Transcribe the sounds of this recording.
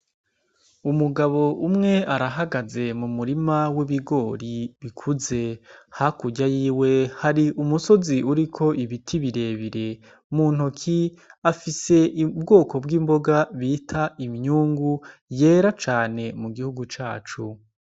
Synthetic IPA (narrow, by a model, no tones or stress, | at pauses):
umuɡaβo̞ʔumŋe̞aɾaɦaɡaze̞mumuɾimawiβiɡo̞ːɾiβikʰuze̞hakuɟajiːwe̞haɾiʔumuso̞ziuɾikʰo̞ʔiβitʰiβiɾe̞ːβiɾe̞ | muːn̥hokʰiafise̞ibɡo̞ːkʰo̞bɡiːmbo̞ɡaβitʰaimɲuːŋɡuje̞ːɾat͡ʃaːne̞muɡihuɡut͡ʃaːt͡ʃu